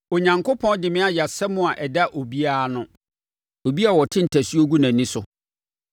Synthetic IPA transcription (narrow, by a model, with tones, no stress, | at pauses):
o˨ɲã˨ŋkʰo˦pʰɔ̃˦n˦dɪ˨mɪ̃˦a˦ja˨sɛ˦mʊ̃˦a˨ʔɛ˨da˦ʔo˨bi˦a˦˨nʊ̃˨ | o˨bi˦a˨wɔ˨tʰɪ̃˦n̩˨tʰæ˨sɥo˦ɡu˦nã˨nĩ˦sʊ˨